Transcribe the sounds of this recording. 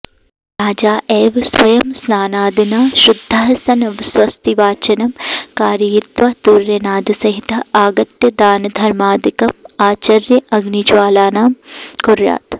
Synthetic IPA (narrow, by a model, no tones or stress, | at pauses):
ɾaːd͡ʒaːʔeːʋsʋɐjɐmsnaːnaːd̪inaːʃɾud̪ʱːɐɦɐsɐnɐʋɪsʋɐst̪iʋaːt͡ʃɐnɐmkaːɾjɐjit̪ʋɐt̪uɾjɐnaːd̪isɐɦit̪ʰɐaːɡɐt̪jɐd̪aːnɐd̪ʱɐɾmaːd̪ikɐmaːt͡ʃɐɾjɐʔɐɡnid͡ʒʋaːlaːnaːmkuɾja̰ːt̪